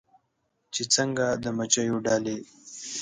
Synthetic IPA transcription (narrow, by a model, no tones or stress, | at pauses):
t͡ʃet͡səŋɡad̪əmat͡ʃajoɖɑːle